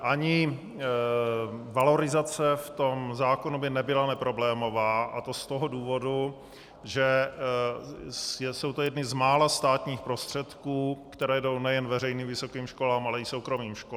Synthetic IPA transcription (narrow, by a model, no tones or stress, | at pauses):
ʔaɲɪ | valo̞ɾɪzat͡sɛft̪o̞mzaːkonubɪnɛbɪlanɛpɾo̞blɛːmo̞vaːʔat̪ost̪oɦo̞duːvo̞du | ʒɛ | jɛso̞wt̪ojɛdnɪzmaːlast̪aːt̪ɲiːxpɾo̞st̪r̥ɛt̪kuːkt̪ɛɾɛːdo̞wnɛjɛnvɛrɛjniːmvɪso̞kiːmʃko̞laːmʔalɛɪso̞wkɾomiːmʃko